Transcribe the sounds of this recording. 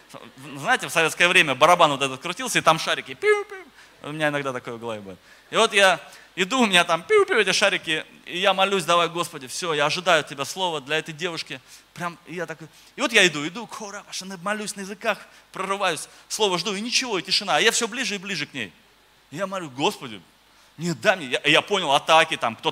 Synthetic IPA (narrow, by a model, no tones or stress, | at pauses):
znajɪtʲɪfsɐvʲet̪skəjəvɾʲemʲəbəɾɐbanvo̞t̪ɛt̪ət̪̚kɾʊtʲilˠsʲəɪt̪amʂaɾʲɪkʲɪpʲup̪ʲ | ʊmʲɪnʲaɪnɐɡd̪at̪ɐko̞jʊɡɐlˠɐvʲibudʲɪt̪ | ɪvo̞t̪ja | ɪd̪uʊmʲɪnʲat̪ampʲupʲɛtʲɪʂaɾʲɪkʲɪ | ɪjamɐlʲus̬ʲd̪ɐvajɡo̞spədʲɪfsʲojaɐʐɨd̪ajʊtʲɪbʲaslˠo̞vəd̪lʲɐɛt̪əjdʲe̞vʊʂkʲɪpɾʲamɪjat̪ɐkoj | ɪvo̞t̪jaɪd̪uɪd̪ukʰoɾapɐʂnɐmɐlʲusʲnəjɪzɨkaxpɾərɨvajʊsʲslˠo̞vəʐd̪uɪnʲɪt͡ɕɪvo̞ɪtʲɪʂɨnaɐjafsʲoblʲiʐɨɪblʲiʐɨknʲḛj | ɪjamɐlʲuɡo̞spədʲʊ̰ | nʲet̪̚d̪amʲejaʔjapo̞nʲɪlˠɐt̪akʲɪt̪amkt̪o